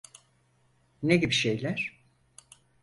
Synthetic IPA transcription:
neɟibiʃejlʲæɾ̥

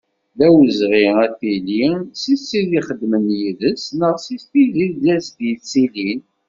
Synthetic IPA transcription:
ðæwəzʁiæθilisisːiðiχəd̪ːmənjiðəsnəʁsist̪iðiðæsd̪jəsilin

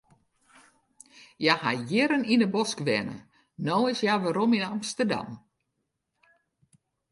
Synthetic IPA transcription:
jahajɪɾənindəbɔskʋɛ̰nə̰ | noːɪsjaʋaɾominamstərda̰m

